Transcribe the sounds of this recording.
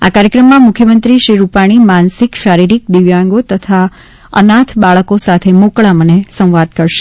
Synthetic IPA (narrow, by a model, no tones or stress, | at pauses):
a̰kaɾjəkɾəmːãmʊkʰjəmənt̪ɾiʃiɾupaɽ̃imansikʃaɾiɾik̚d̪iʋjãŋɡot̪ət̪ʰa | ə̰nat̪ʰbaɭəkosat̪ʰemokɭamənesə̃w̃ʋad̪̚kəɾʃe̥